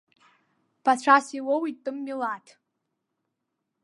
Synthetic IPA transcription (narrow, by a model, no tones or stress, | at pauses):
b̥at͡ɕʷʰasiwowittːʼɨmːilatʰ